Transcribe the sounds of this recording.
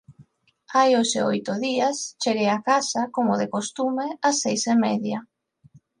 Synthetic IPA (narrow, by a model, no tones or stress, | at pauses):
ajosḛo̰jt̪ʊðiast͡ʃeɣejakasakomʊðɪkost̪umeɪasːejsemɛðja